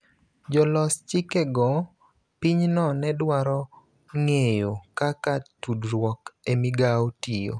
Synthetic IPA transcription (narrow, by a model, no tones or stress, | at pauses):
d͡ʒɔlɔst͡ʃɪkɛɡɔ | piɲnɔnɛdwaɾɔ | ŋejokakatudɾwɔkemiɡaotijo̰